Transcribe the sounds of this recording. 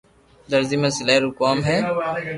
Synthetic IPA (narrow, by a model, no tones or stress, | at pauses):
d̪əɾziːmẽːsɪlaːɾukaːmɦɛː